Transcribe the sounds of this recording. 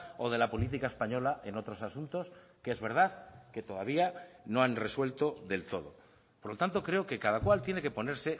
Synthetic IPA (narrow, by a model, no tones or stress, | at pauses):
o̞ð̞e̞lapo̞lit̪̬ikaespaɲo̞laʔe̞no̞t̪ɾo̞sasunt̪o̞s | keezβe̞ɾð̞aðke̞t̪o̞ðaβiano̞anre̞swe̞lt̪o̞ðe̞lt̪o̞ð̞o̞ | poɾlo̞t̪ant̪o̞kɾe̞o̞ke̞kað̞akwalt̪je̞ne̞kepo̞ne̞ɾse̞